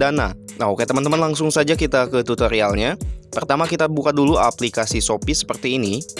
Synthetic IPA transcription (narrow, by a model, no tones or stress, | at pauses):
ana | naokaat̪əmənt̪əmənlaŋsʊŋsad͡ʒakit̪akət̪ut̪əɾialɲapərt̪amakit̪abukadulua̰plikasisopisə̥pərt̪iːni